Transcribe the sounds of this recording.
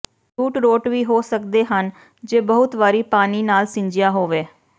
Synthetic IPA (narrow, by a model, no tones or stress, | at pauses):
t͡ʃuːʈɾoːʈʋiːɦoːsəkd̪eːɦən | d͡ʒeːbəɦʊt̪ʋaːɾiːpaːniːnaːlsɪ̃ɲd͡ʒɪjaːɦoːʋeː